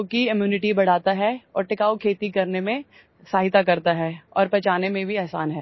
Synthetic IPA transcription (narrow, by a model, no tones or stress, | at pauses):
oːkiɪmjuːnɪʈibɐɽ̤aːt̪aɦɛɔːɾʈɪkaːokʰeːt̪ikɐɾnemẽ | saːɦɪt̪akɐɾt̪aɦɛːɔ̰ːɾpɐt͡ʃaːnemẽbʱiɛɦsaːnɦɛː